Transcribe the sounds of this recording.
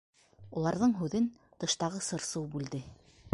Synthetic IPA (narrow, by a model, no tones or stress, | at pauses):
ulˠɑɾðɤɴɦʉðɘn | t̪ɤ̆ʃt̪ɑʁɤsɤ̆ɾsɤwbʉld̪ɘ